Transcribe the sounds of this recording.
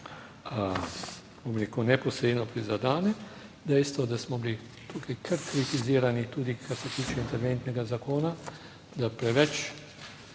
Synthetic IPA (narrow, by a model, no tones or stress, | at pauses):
bomɾeːkunɛpɔsɾeːd̪nɔpɾizad̪aːnɛd̪ɛjst̪ʋɔd̪asmɔbili | t̪ʰukajkʰəɾkɾit̪iziːɾanit̪uːd̪ikʰaɾsɛt̪iːt͡ʃɛint̪ɛɾʋent̪nɛɡazakoːna | d̪apɾɛʋɛt͡ʃ